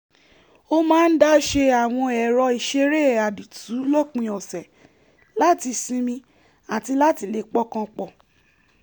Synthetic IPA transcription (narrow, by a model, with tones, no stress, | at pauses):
o˦mãː˦n̩˦da˦ʃe˧a˨w̃ɔ̃˧ɛ˨ɾɔ˧i˨ʃe˧˦ɾe˦˨a˨di˨tu˨˦lɔ˦˨k͡pĩ˧ɔ˨sɛ˨ | la˦ti˧sĩ˧mĩ˧ | a˨ti˧la˦ti˧˨le˨k͡pɔ˦kã˧k͡pɔ˦˨